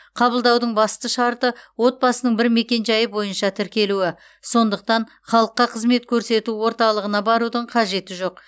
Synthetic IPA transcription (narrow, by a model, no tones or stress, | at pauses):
qʰɑbəlˠd̪ɑwd̪əɴbɑst̪əʃɑɾt̪əwo̞t̪̚bɑsənəɴbɪɾme̞kʲe̞nʒɑjəbo̞jənʃɑt̪ʰɪɾkʲe̞luɪ | so̞nd̪əq̚t̪ɑn | χɑlˠəqːɑqʰəzme̞t̪kʲʰɵɾse̞t̪uwo̞ɾt̪ɑlˠəʁənɑbɑɾud̪əɴqʰɑʒe̞t̪ɪʒo̞q̚